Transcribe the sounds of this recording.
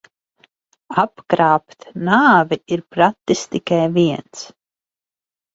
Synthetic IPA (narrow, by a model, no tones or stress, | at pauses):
apkɾaːpt̪naːviiɾpɾat̪ːist̪ikajviɛns